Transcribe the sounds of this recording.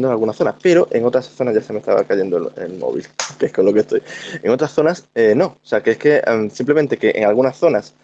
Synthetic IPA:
nd̪oŋalɣunasθo̞na̰spe̞ɾo̞ʔeŋo̞t̪ɾasθo̞nazʝasemest̪a̰βa̰kaʝe̞nd̪o̰ḛlmo̰βḭlkeesko̞lo̞kest̪o̞jeŋo̞t̪ɾasθo̞naseno̞oseakeeske̞simple̞ment̪e̞keʔḛŋalɣunasθo̞nas

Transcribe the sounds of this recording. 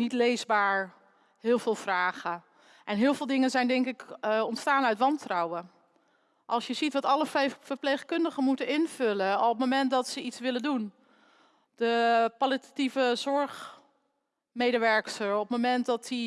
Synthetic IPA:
nitlejzbaːɹ | hɪːlˠvɪːlˠv̥raːχə | ʔɛnɦɪːlˠvɪːlˠdɪŋənzɛjndɛŋkɪkɔntstaːnœɥtʋɑntrɔwə | ʔɑlˠsjəzitʋɑtɑləffəɹpleχkɵndəχənmutənɪnv̥ʏləɔp̚momɛntdɔtsəitsʋɪləndun | d̥əpalitativəzɔɹχ | mejdəʋɛɹksəɹɔp̚momɛntdɔti

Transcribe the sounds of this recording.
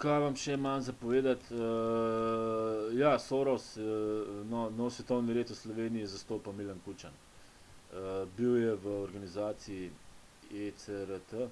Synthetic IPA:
kajʋamʃɛmanzapɔʋeːd̪at̪ə | jasoːɾɔsənɔnɔwsʋɛt̪ɔwniɾeːt̪uslɔʋeːnijɛzast̪oːpawmilankut͡ʃan | əbiwjɛʋəɔɾɡanizaːt̪sii | esəɾət̪ə

